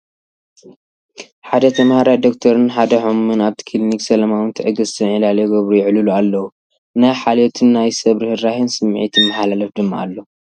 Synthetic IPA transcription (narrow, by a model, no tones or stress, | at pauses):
ħad̪ɐt̪ʰɐmhaɾajd̪okt̪ʰɐɾɨnħad̪ɐħomːɨnaβt̪ʰi̥kʰɨliniksɐlɐmawɨnt̪ʰɨʕɨɡɨst̪ʰɐnɐlaleɡɐβɾujɪʕlɨlualːɐwu | najħalot̪ʰɨnːajsɐβɾɨhɨɾahɨnsɨmːʕḭt̪jɪmmːaħalalɐfd̪ɨmːaʔalːo